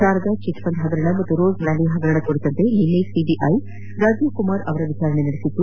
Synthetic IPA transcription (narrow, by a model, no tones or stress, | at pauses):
daːɾɐd̪ɐt͡ʃit̪ʋɐnd̪ɦɐɡ̪ɐɾɐɳɐmɐt̪ːuɾoːɡnɐlːiɦɐɡ̪ɐɾɐɳɐkoɽit̪ɐnt̪eɦinːesiɖiʔɐj | ɾaːd͡ʒjukumaːɾɐʋɐɾɐʋit͡ʃaːɾɐɳenɐɽesit̪ːu